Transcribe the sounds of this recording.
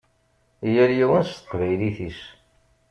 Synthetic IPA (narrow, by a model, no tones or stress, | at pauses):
jəɾjiwənst̪ə̥qvæjliθis